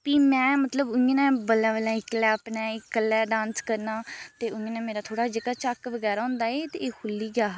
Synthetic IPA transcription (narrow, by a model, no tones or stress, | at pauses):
piːmɛ̃ːmət̪ləbʊẽnɛ̃ːbəlãːʋəlɛ̃ːɪklɛːpnɛːɪkəlːɛːɖãːnskəɾnaːt̪eːʊ̃ːnɛ̃ːmeːɾaːt̪ʰoːɽaːd͡ʒɪkət͡ʃakʋəɡɛːɾaːɦʊ̃ːnd̪aːeːt̪eeːkʰʊlːiːɡaː